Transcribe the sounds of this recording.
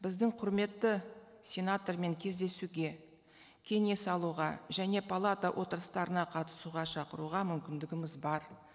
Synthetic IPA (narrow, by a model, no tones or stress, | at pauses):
bɪzd̪ɪŋqʰʊɾme̞t̪ːɪ | sʲe̞nat̪orme̞ŋkʲʰe̞zd̪e̞suɡʲe̞ | kʲʰe̞ne̞sɑlˠuʁɑʒæne̞pʰalˠat̪awʔo̞t̪əɾəst̪ɑɾənɑqʰɑt̪ə̥suʁɑʃɑqəɾuʁɑmʏmkʲɪnd̪ɪɡʲɪmɪzbɑɾ